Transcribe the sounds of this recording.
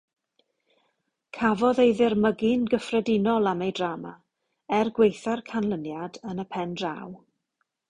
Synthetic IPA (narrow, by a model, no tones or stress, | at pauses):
kʰavɔðejðɪrməɡɪnɡəfrɛdɪnɔlˠamejdraːma | ɛrɡwejθarkʰanlˠənjadənəpʰɛndra̰w